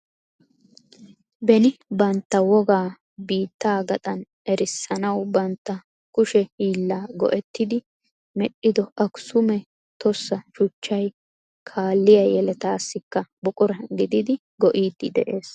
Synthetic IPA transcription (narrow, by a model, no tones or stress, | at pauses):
bɛnɪbɐnt̪ːɐwɔɡaː | biːt̪ːaːɡɐt̪ʼɐn | ɛɾɪsːɐnɐwbɐnt̪ːɐ | kʊʃɛhiːlːaːɡɔ̰ʔɛt̪ːɪd̪ɪ | mɛɗːɪd̪ɔʔɐkʊ̥sʊmɛ | t̪ɔsːɐʃʊt͡ʃːɐj | kʰaːlːɪjɐjɛlɛt̪aːsːɪkːɐbɔkʼʊɾɐɡɪd̪ɪd̪ɪ | ɡɔʔiːd̪ːɪd̪ɛ̰ʔe̞ːs